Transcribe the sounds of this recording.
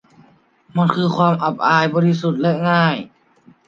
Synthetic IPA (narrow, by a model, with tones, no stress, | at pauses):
ma˧˥˨nkʰɯː˧kʰwaː˧˨mʔa˨˩p̚ʔaː˧jbɔː˧li˦˧˥su˨˩t̪̚lɛ˦˥ŋaː˥˩j